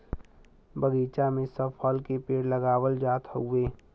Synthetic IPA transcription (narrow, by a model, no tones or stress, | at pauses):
bəɡiːt͡ʃamẽsəpʰɔlkepeːɽləɡaːwəld͡ʒaːt̪ɦueː